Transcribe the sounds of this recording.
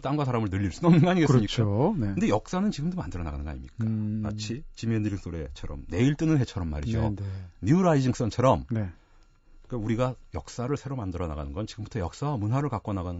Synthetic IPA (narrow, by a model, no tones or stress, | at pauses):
t͈amɡwasʰaɾamɯɭnɯʎːiɭs͈unʌmnɯnŋɡʌaɲiɡeksɯɲik͈anɯnde̞jʌk̚s͈anɯnt͡ɕiɡɯmdomandɯɾʌnaɡanɯnɡa̰ɲḭmɲik͈ama̰t͡ɕʰit͡ɕimeniɾiŋs͈oɾe̞t͡ɕʰʌɾʌmne̞iɭt͈ɯnɯnɦe̞t͡ɕʰʌɾʌmːa̰ɾḭd͡ʑo̰ɲuɾaid͡ʑiŋs͈ʌnt͡ɕʰʌɾʌmne | k͈auɾiɡajʌk̚s͈aɾɯɭsʰe̞ɾomandɯɾʌna̰ɡa̰nɯnɡʌnt͡ɕiɡɯmbutʰʌjʌk̚s͈awamunɦwaɾɯɭkak͈ʌnaɡanɯ